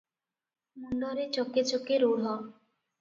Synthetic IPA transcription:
muɳɖɔɾet͡ɕɔket͡ɕokeɾoɽɦɔ

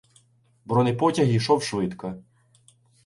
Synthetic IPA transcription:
bɾɔnɪjpɔtʲɐɦiʃɔwʃʋɪt̪kɐ

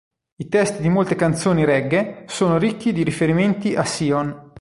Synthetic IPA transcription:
it̪ɛst̪id̪imolt̪ekant̪soːniɾɛɡːesoːnoɾikːid̪iɾifeɾiment̪iʔasiːon

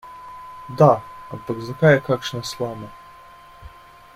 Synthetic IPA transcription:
d̪aɐpakzɐkajɛkakʂnɐslˠamɐ

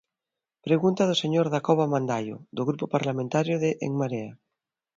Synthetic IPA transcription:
pɾeɣunt̪að̞oseɲoɾðakoβamãnd̪ajo̰ðoɣɾupopaɾlamẽnt̪aɾjoðeʔḛŋmaɾea

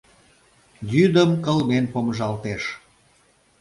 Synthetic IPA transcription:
jyd̪əmkəlmenpoməʒɑlt̪eʃ

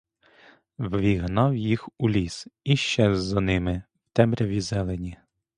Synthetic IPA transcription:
wʋʲiɦnɑwjixulʲisiʃt͡ʃɛzːɐnɪmɪ | wt̪ɛmɾʲɐʋʲizɛlˠenʲi

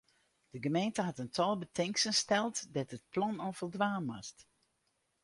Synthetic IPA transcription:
d̥əɡəmejntəɦɑtəntʰɔlˠbətʰɪŋksənstɛlˠtdɛtət̚plɑnɔfəlˠdʋaːnʋast

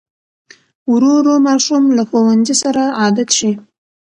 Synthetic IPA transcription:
wɾoɾomɑɾʃumlaxowanzisaɾaɑd̪at̪ʃi

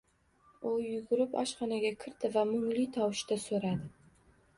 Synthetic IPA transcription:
ʊjʊɡʊɾɪpa̰ʃχɑnaɡʲakʲʰɪɾt̪ʰɪvamʊŋlit̪ʰɒwɪʃt̪asoɾad̪ɪ

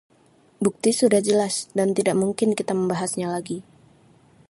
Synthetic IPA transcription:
buk̚t̪isudahd͡ʒəlasdant̪idaʔmuŋkɪnkit̪aməmbaɦasɲalaɡi

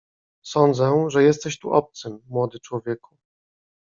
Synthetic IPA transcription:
sɔnd̪zɛʐɛjɛst̪ɛɕt̪ṵʔɔp̚t̪sɘmːwɔd̪ɘt͡ʂwɔvʲjɛku̥

